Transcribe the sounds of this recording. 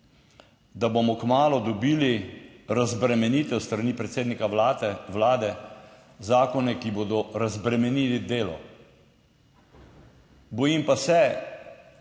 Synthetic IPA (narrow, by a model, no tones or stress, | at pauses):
d̪abomɔkmaːlɔd̪ɔbiːliɾazbɾɛmɛniːt̪ɛwst̪ɾaniːpɾɛt̪seːd̪nikaʋlaːd̪ɛ | zaːkɔnɛkiboːd̪ɔɾazbɾɛmɛniːlid̪eːlɔ̰ | bɔjimpasɛ